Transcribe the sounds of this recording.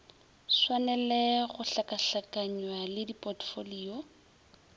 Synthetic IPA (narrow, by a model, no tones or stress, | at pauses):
swanɛlɛɣʊɬakaɬakʼaɲwalɪdipʼɔtfoliːɔ